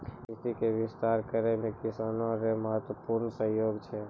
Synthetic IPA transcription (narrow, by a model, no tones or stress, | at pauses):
ɪsikeʋɪst̪aɾkəɾemekɪsaːnõɾeməɦət̪wəpuɾnsə̃ɦjoːɡt͡ʃʰɛ